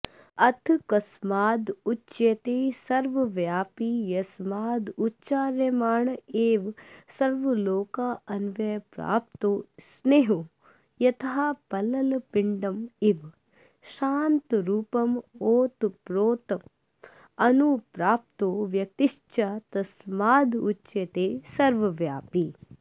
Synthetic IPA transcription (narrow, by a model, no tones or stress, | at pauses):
ɐt̪ʰkɐsmaːd̪ut͡ʃːt͡ʃʃjet̪eːsɐɾʋɐʋjaːpijɐsmaːd̪utːt͡ʃaːɾjɐmaːɳeːʋsɐɾʋɐloːkaːɐnʋeːpɾa̰ːp̚t̪oːsneːɦo | jɐt̪ʰɦaːpɐlɐlpiɳɖɐmiʋ | ʃaːnt̪ɾuːpɐmoːt̪pɾoːt̪ɐ | ɐnupɾaːp̚t̪oːʋjɐt̪iʃt͡ʃat̪ɐsmaːd̪ut͡ʃːt͡ʃʃɐt̪eːsɐɾʋɐʋjaːpi